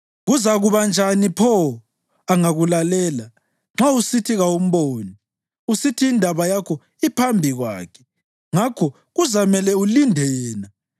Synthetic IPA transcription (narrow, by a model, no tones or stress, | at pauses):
ɣuzaɣuβand͡ʒʱanipʰɔ | aŋaɣulalɛːla | ŋ͡ǁausitʰiɣaum̩βoːni | usitʰiːndʱaβajakʰɔ | ipʰambʱiɣwa̰ːkʰɛ̥ | ŋakʰɔ | ɣuzamɛlɛulindʱɛjɛːna